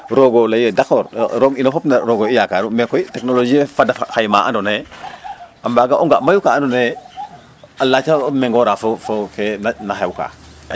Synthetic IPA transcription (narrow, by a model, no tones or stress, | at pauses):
ɾoɡolajedakɔɾɾoɡinafopnaɾoɡoijakaɾumɛkɔitɛknolod͡ʒiefadaxajmaʔa̰ndone | ambaɡaʔuŋɡamajukaːndone | alat͡ʃameŋɡɔɾafofokenanaɦewka̰ː